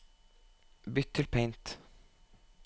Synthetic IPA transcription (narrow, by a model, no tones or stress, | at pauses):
bʏt̪ʰːɪlpʰɛɪnt̪